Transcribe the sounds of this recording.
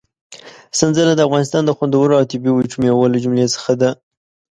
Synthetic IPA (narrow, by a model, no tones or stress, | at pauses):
sənzəlad̪əafɣɑnɪst̪ɑnd̪əxwand̪awəɾoawt̪ɪbewət͡ʃumjawəlad͡ʒumlesə̥xad̪a